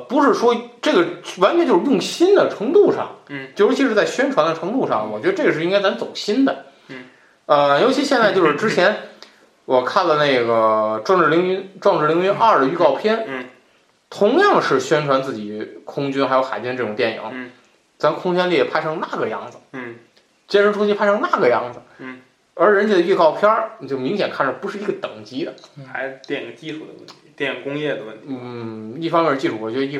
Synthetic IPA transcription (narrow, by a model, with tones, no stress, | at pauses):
pu˧˥ʂɻ̩˥˩ʂwɔ˥ʈ͡ʂɤ˥˩ɡə˩wa˧˥nt͡ɕʰɥɛ˧˥nt͡ɕo˥˧ʊʂɻ̩˥jʊ˥˩ŋɕi˥nd̪ə˨ʈ͡ʂʰɤ˧˥ŋt̪u˥˧ʂɑ̰˥˩ŋt͡ɕjʊʂɻ̩˥t͡ɕʰi˧˥ʂɻ̩˥˧˥t͡sa˥˩ɪɕɥɛ˥nʈ͡ʂʰwa˧˥nd̪ə˧ʈ͡ʂʰɤ˧˥ŋt̪u˥˧ʂɑ̰˥˩ŋwɔ˨˩t͡ɕɥɛ˧˥d̪ə˧ʈ͡ʂɤ˥˩ɡə˧ʂɻ̩˧i˥ŋka˥ɪt͡sa˧˥mt͡so˨˩ʊɕi˥nd̪ə˨ | ə˧jo˧˥ʊt͡ɕʰi˧˥ɕjɛ˥˧nt͡sa˥˧ɪt͡ɕo˥˧ʊʂɻ̩˥˧ʈ͡ʂɻ̩˥t͡ɕʰjɛ˧˥n | wɔ˨˩kʰa˥˩nlə˩ne˥˩ɪɡə˩ʈ͡ʂwɑ˥˧ʈ͡ʂɻ̩˥˩i˧˥ŋy˥nʈ͡ʂwɑ˥˧ŋʈ͡ʂɻ̩˥˩li˧˥ŋy˧˥nʔa˥˧˩ə˩y˥˧kɑ˥˧ʊpʰjɛ˥n | t̪ʰʊ˧˥ŋjɑ˥˩ŋʂɻ̩˥˩ɕɥɛ˥nʈ͡ʂʰwa˧˥nt͡sɹ̩˥˩t͡ɕi˨˩˦kʰʊ˥ŋt͡ɕy˥nxa˧˥jo˧˥ʊxa˨˩ɪt͡ɕy˥nəʈ͡ʂɤ˥˩ʈ͡ʂʊ˨˩ŋt̪jɛ˥˩njḭ˧˩˦ŋ | t͡sa˧˥˧kʰʊ˥ŋt͡ɕɥɛ˥nli˥˩ɛ˨˩pʰa˥ɪʈ͡ʂʰɤ˥ŋna˥˩ɡə˩jɑ˥˩ŋd͡zɹ̩˩˥˩ | t͡ɕjɛ˥nʂə˧˥nʰʊ˥ŋt͡ɕi˥pʰa˥ɤ˥ŋna˥˩ɡə˩jɑ˥˩ŋd͡zɹ̩˩ | ə˞˧˥ɻə˧˥nt͡ɕʰi˧˥˩d̪ə˧y˥˧kɑ˥˧ʊpʰjɑ˥˨˩t͡ɕjo˥˩ʊmi˧˥ŋɕ̬jɛ˨˩nkʰa˥˩nə˨˩pu˧˥ʂɻ̩˥˩i˧˥ɡə˧t̪ɤ˨˩ŋt͡ɕi˧˥d̪ə˨xa˧˥ɪ˧t̪jɛ˥˩n˧˥˩ɡə˧t͡ɕi˥ʈ͡ʂʰu˨˩d̪əwə˥˩t̪ʰi˧˦˥t̪jɛ˥˩jŋkʊ˥ŋjɛ˥˩d̪ə˩wə˥˩nt̪ʰ | i˥˩fɑ˥ŋmɛ˥˧t͡ɕi˥˩ʈ͡ʂʰu˨˩wɔ˨˩t͡ɕɥɛ˧˥ə˧i˥˧